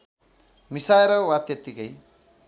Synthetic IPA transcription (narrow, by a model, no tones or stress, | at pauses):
misaeɾʌwat̪et̪ikʌj